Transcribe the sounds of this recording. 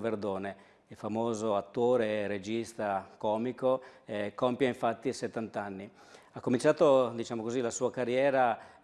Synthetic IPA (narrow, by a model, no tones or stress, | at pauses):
verd̪oːne | ilfamoːzoat̪ːoːɾeɾed͡ʒist̪akɔːmikoɛkɔmpjaĩɱfat̪ːiset̪ːant̪anːi | akːomint͡ʃaːt̪od̪it͡ʃaːmokozilasuːakarjɛːɾa